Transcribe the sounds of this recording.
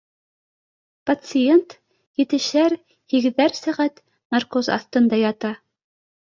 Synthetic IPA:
pɐt̪sɨjent̪ | jɘ̆t̪ɘ̆ʃæɾ | hĭɡɘ̆ðæɾsæʁæt̪ | mɑrkozɑ̰θt̪ɤ̆nd̪ɑjɑt̪ɑ

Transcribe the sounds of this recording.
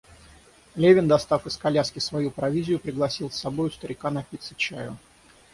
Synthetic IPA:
lʲevʲɪnd̪ɐst̪afɨskɐlʲaskʲɪsvɐjupɾɐvʲizʲɪjʊpɾʲɪɡlˠɐsʲilˠsːɐbojʊst̪əɾʲɪkanɐpʲit̪sɨt͡ɕæjʊ

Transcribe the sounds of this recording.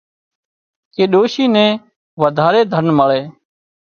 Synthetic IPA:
keːɗoːʃiːnɛ̃ː | ʋəd̪ʱaːɾeːd̪ʱənməɭeː

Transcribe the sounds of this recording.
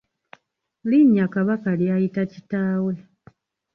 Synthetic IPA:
liɲːakaβakaljaːjitacitaːwule

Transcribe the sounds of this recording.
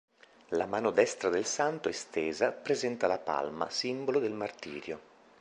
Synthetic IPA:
lamaːnod̪ɛst̪ɾad̪elsant̪oest̪eːzapɾezɛnt̪alapa̰lma̰simbolod̪elmart̪iːɾjo

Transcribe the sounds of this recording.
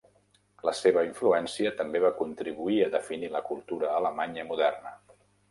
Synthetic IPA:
ləseβ̞əiɱfluɛnsiət̪əmbeβakunt̪ɾiβuiəðəfiniləkulˠt̪uɾəːləmaɲəmuðɛrnə

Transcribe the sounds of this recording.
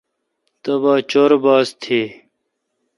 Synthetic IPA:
t̪ɐbaːt͡ɕoɾbaːst̪ʰeː

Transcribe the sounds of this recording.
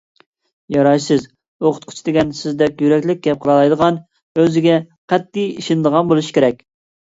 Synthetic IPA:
jɑɾɑjsɨz | oqʰʊ̥t̪̚qʰʊ̥t͡ʃʰid̪ɪɡʲɛnsɪzd̪ɛkʲjyɾɛkʲlɪk̚ʲɡʲɛp̚qʰəlˠɑlˠɑjd̪əʁɑn | øzɪɡʲɛ | qʰɛt̪ːijiʃɪnd̪əʁɑnbolˠuʃkʲʰeɾɛk̚ʲ

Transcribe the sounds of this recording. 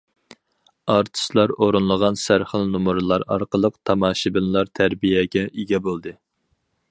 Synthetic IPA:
ɑɾt̪ʰɨ̥slˠɑɾoɾunlˠəʁɑnsæɾχəlˠnumuɾɨlˠɑɾɑ̰ɾqəlˠəqt̪ʰɑmɑːʃibɪnlˠɑɾt̪ʰæɾbijɛɡʲɛʔiɡʲɛbolˠd̪ɨ

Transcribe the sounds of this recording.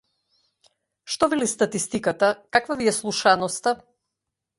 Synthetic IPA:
ʃt̪ɔvilist̪at̪ist̪ikat̪akakvaviɛslˠuʃanɔst̪a

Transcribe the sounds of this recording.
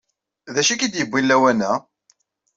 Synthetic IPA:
ðæʃikid̪jəbːilːæwænæ

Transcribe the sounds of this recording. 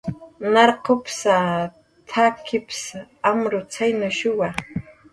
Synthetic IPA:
nɑɾqopsa | t̪ʰakʰɪpsamɾʊt͡sajnʊʃʊwa

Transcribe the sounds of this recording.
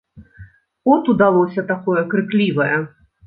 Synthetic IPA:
ɔt̪ud̪alˠɔsʲɐt̪akɔjɛkɾɨklʲivɐjɛ

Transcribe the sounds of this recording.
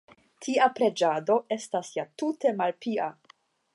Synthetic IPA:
tʰiapɾe̞d͡ʒado̞e̞stasjatute̞malpiʔa

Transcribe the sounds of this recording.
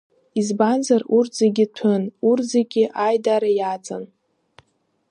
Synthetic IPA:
izbanzarurtz̥eɡʲɪtʷʰɨnurzeɡʲiʔajdaɾajad͡zʼan

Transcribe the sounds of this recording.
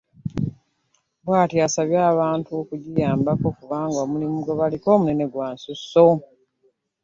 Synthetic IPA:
bwaːtiasaβjaːβaːntuokuɟijaːmbako̞kuβaːŋɡoːmulimuɡoβaliko̞ːmunene̞ɡwaːnsusːo̞

